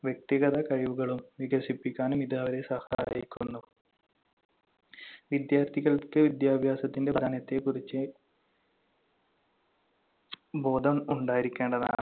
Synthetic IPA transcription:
ʋjek̚t̪iɣɐðɐkɐɻiʋuɣɐɭumʋiɡɐʂipːikʲːaːnumiðaːʋɐɾesɐhɐa̰ːjikʲːunːu | ʋid̪jaːrt̪ʰiɣɐɭkːɨʋid̪jaːbʱjaːsɐt̪ːinde̞d̪ʱaːnɐt̪ːe̞kurit͡ɕːɨ | bo̞ːd̪ʱɐmuɳɖaːjiɾikʲːe̞ːɳɖɐða̰ːɳɨ

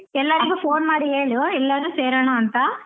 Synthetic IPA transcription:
ɛlːɐɾiɡupʰoːnmaːɾiɦeːɭioɛlːɐɾuːseːɾɐːɳaɐnt̪ɐ

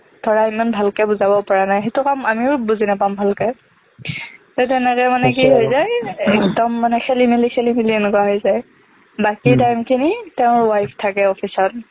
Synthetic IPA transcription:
tʰɔɹaimanbʱalkɛbuzabɔpɔɹanajɦetukamamiʊbuzinapambʱalkɛ | tɛt̬ɛnɛkɛmanɛk̬iɦojzajɛkdɔmːanɛxʰelimilikʰelimiliɛnkɔaɦɔjzaj | bakitajmkʰinitɛʊ̃wajftʰakɛɔpʰisɔt̚

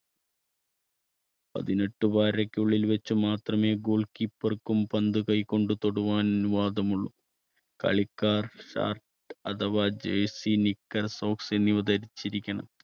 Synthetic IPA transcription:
pɐ̰ðine̞ʈːɨbaːɾɐkʲːuɭːilʋet͡ɕːumaːt̪rɐme̞ːɡoːɭkipːɐrkːumpɐnd̪ɨkɐjkːo̞ɳɖut̪o̞ɽuʋaːnɐʋaːd̪ɐmuɭːu | kɐ̰ɭikːaːrʂa̰ːrʈ | ɐ̰d̪ɐʋaːd͡ʑeːsinikːɐrso̞ːksenːiʋɐd̪ɐɾit͡ɕːiɾikʲːɐɳɐ̰m

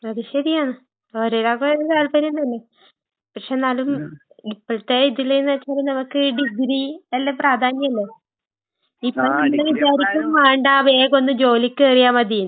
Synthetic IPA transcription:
ɐðiɕeðiaːɳɨ | oːɾeɾaːkɐt̪aːlpɐɾiuɳɖɐnːe | pɐkʂe̞naːlum | ipːoɭt̪ːe̞iðilːejnːɐt͡ɕːaːɾinɐmukːɨɖiɡɾiɐlːepraːd̪ʱaːɲjɐɐlːe | ipːoːɭnɐmːɐɽeʋit͡ɕaːɾikʲːumaːɳɖaːʋeːɣo̞nːɨmd͡ʑo̞ːlikʲːɨɐrijaːmɐd̪ijun

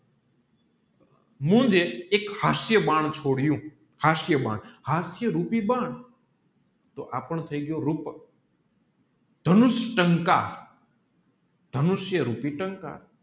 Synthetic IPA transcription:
mũd͡ʒeekhasjəbaɳ̃t͡ʃʰoɽjũ | hasjəbã̰ːɳhasjəɾupibaɳ | t̪oʔapəɳt̪ʰəiɡjoɾup | d̪̥ʱənʊʃʈəŋka | d̪ʱənʊʃjəɾupiʈəŋka̰

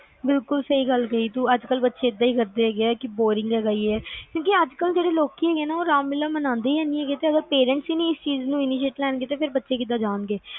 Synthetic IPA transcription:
bɪlkʊlsəɦiːɡəlkəiːt̪uːəd͡ʒkəlbətːʃeːɪd̪ːaːiːkəɾd̪eːɛːɡeɛːkɪboːɾɪ̃ŋɡɛːɡaːiːɛːkjõːkiəd͡ʒkəld͡ʒeːɽeːloːkiːɛːɡeːnaːoːɾaːmːɪlːaːmənãːnd̪eːiãːnd̪iɛːɡeːt̪eːəɡəɾpeːɾə̃ɳʈsiːnĩːɪst͡ʃiːznũːɪniːʃ̬eːʈlɛːnɡeːt̪eːpʰɪɾbətːʃeːkɪd̪aːd͡ʒaːnɡeː

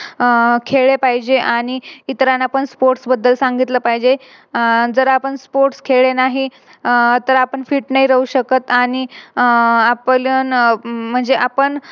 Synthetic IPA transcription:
kʰeɭepaɦid͡ʑeʔaɽ̃iit̪ɾanapəɳspoɾʈsbəd̪ːəlsaŋɡit̪ləpaɦid͡ʑe | d͡zəɾapəɳspoɾʈskʰeɭenaɦi | t̪əɾapəɳfiːʈnaɦiɾəuɕəkət̪aɽ̃i | aplənm̤əɳd͡zeʔapəɳ

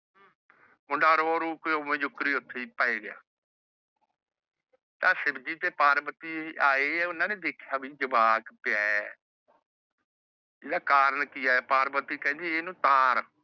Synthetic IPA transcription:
mʊɳɖaːɾoːɾuːkːomẽːd͡ʒʊkɾiːʊt̪ʰːeiːpaːeːɡɪja̰ː | t̪ãːsɪbd͡ʒiːt̪eːpaːɾbət̪iːaːeːɛːʊnːãːnẽːd̪eːkʰjaːbiːd͡ʒəbaːkpɪaː | ɪd̪aːkaːɾənkiːaːɛːpaːɾbət̪ːiːkɛ̃ːd͡ʒiːeːnũːt̪ãːɾ

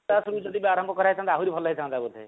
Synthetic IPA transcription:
asɾud͡ʒɔd̪ibeaɾɔmbʱɔkɔɾait͡ʃʰãnt̪eaɦuɾipʰɔlːaɦit͡ʃʰãnt̪abut̪ʰe

